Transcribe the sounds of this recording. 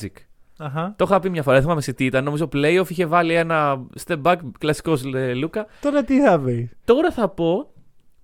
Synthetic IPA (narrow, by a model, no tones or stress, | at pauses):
ik | ɐɦɐt̪o̞xɐpimɲɐfo̞ɾɐðeθmɐmesit̪iːt̪ɐnno̞mizoplejofiçe̞vɐlie̞nɐst̪ebɐkklɐsi̥koslukɐoɾɐt̪iθɐvist̪o̞ɾɐθɐpo̞